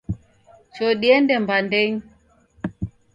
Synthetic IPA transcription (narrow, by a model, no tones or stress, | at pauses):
t͡ʃɔɗiɛndɛmbandɛɲ